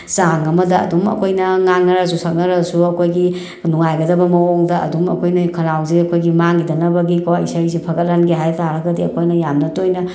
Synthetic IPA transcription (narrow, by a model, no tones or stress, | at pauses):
saŋɐmɐdɐɐ̰dumɐ̰kʰojnɐŋaŋnɐɾɐsusʰɐk̚nɐɾɐsuɐkʰojɡi | nuŋajɡɐdɐbɐmɐɔŋdɐʔɐ̰dumɐkʰojnɐkʰɐnawziɐkʰojɡimaŋidɐnɐbɐɡikɔɐ̰jsɐɾizipʰɐɡɐt̚lanɡiɦajtaɾɐɡɐdiɐkʰojnɐjamnɐtojnɐ